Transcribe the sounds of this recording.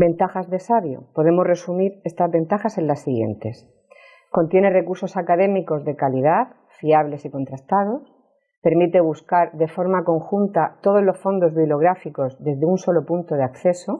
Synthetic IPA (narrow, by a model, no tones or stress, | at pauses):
be̞nt̪axazðe̞saβjo̰po̞ð̞e̞mo̞re̞sumiɾe̞st̪azβe̞nt̪axase̞nlasːiɣje̞̰nt̪e̞s | ko̞nt̪je̞ne̞re̞kuɾso̞sakaðe̞miko̞zðe̞kalið̞aθ | fiaβle̞siko̞nt̪ɾast̪að̞o̞s | pe̞ɾmit̪e̞β̞uskaɾðe̞fo̞ɾmako̞ŋxunt̪at̪o̞ð̞o̞zlo̞sfo̞nd̪o̞zβiβlo̞ɣ̞ɾafiko̞zðe̞zðeunso̞lo̞punt̪o̞ð̞eakθe̞so̞